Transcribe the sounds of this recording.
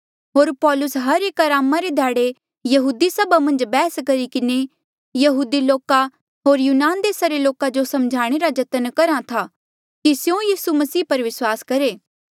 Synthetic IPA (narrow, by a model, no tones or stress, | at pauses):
ɦoːɾpɔːlʊsɦɐɾeːkaɾaːmaɾed̪ʱjaːɽe | jɐɦuːd̪isɐbamɐ̃nd͡ʒbɛːskɐɾikɪne | jɐɦuːd̪iloːka | ɦoːɾjuːnaːnd̪eːsaɾeloːkad͡ʒosɐmd͡ʒʱaːɽ̃eɾad͡ʒɐt̪ənkɐɾat̪ʰa | kisjõjiːsumɐsiːpɐɾʋɪswaːskɐɾeː